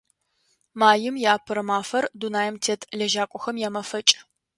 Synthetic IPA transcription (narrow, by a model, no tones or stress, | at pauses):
maːjɪmjaːpʰɨɾɐmaːfɐrdunaːjɛmtʰeːtʰʼɮɐʒaːkʷʼɔxɐmjɛmɐfɐt͡ʃʼ